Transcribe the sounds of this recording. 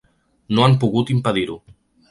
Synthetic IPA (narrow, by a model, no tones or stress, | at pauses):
noampuɣut̪impaðiɾu